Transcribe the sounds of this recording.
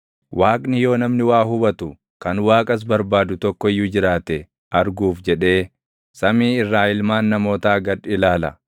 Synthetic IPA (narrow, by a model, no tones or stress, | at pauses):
wʔaːkʼnɪjo̞ːnɐmnɪwaːɦʊbɐt̪ʊ | kɐnwaːkʼɐs̬bɐɾbaːd̪ʊt̪ɔkːɔɪjːʊd͡ʒɪɾaːt̪ɛ | ʔɐɾɡuːfd͡ʒɛᶑe̞ː | sɐmiːɪrːaːɪlmaːnːɐmo̞ːt̪aːɡɐᶑɪlaːlɐ̰